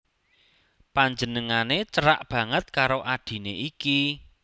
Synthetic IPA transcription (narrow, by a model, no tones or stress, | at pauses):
paɲd͡ʒə̤nəŋanet͡ʃəɾa̰ʔb̥ä̤ŋət̪̚kaɾoʔad̥i̤neʔiki